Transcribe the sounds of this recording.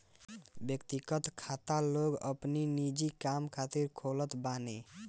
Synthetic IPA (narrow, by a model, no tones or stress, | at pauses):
bjəkt̪iɡət̪kʰat̪aloɡə̰pninid͡ʒikamkʰat̪iɾkʰolət̪bane